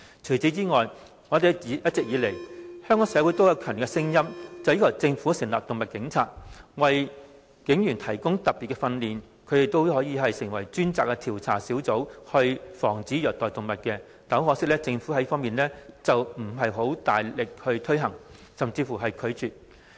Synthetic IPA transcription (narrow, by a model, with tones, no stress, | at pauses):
t͡ʃʰɵ˨˩t͡si˨˥t͡siː˥ŋɔː˨j | ŋɔː˨˧d̪e˨jjɐ˥t̚t͡sɪ˨k̚jiː˨˧le˨˩jhœ˥ŋɔː˨˥ŋsɛː˨˧˥wuː˨˥jt̪o˥wjɐ˨˧wkʰœː˨˩n˨˩kːɛ˧sɪ˥ŋjɐ˥mt͡sɐ˨wjiː˥k̚ʰːt͡sɪ˧ŋfuː˨˥sɪ˨˩ŋlaː˨˩k̚t̪ʊ˨ŋmɐ˨t̚kɪ˨˧˥ŋt͡sʰaː˧t̚wɐ˨j | kɪ˨˥ŋjy˨˩nt̪ʰɐ˨˩jkʊ˥ŋt̪ɐ˨p̚pːiː˨t̚kːɛ˧fɐ˧nliː˨n | kʰɵ˨˧ɥt̪ɪ˨˩t̪o˥whɔː˨˥jiː˧ɦɐ˨jsɪ˨˩ŋwɐ˨˩jt͡ʃyː˥nt͡saː˨kːɛ˧t̪ʰiː˨˩wt͡sʰa̰ː˨˩siː˨˥wt͡so˨˥whɵ˧ɥfɔː˨˩ŋt͡siː˨˥jœː˨˩t̪ɔː˨˩jt̪ʊ˨˩ŋmɐ˨t̚kɛ˧ | t̪ɐ˨˥whɔː˨˧˥sɪ˥k̚lɛː˥t͡sɪ˧ŋfu˨˥hɐ˨˥fɔː˥ŋmiː˨nlɛː˥t͡sɐ˨wm̩˨˩ɦɐ˨jɦo˨˥wt̪aː˨jlɪ˨k̚hɵ˧ɥt̪ʰɵ˥ɥɦɐ˨˩ŋ | sɐ˨mt͡siː˧fuː˨˩ɦɐ˨jkʰɵ˨˧ɥt͡syː˨t̚